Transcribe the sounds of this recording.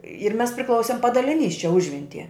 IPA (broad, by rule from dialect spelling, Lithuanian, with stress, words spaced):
ɪr ˈmʲɛs pʲrʲɪˈklˠɐʊsʲɪm pɐdɐlʲɪˈnʲiːs t͡ʃʲɛ ˈʊʒʲʋʲɛnʲtʲiɛ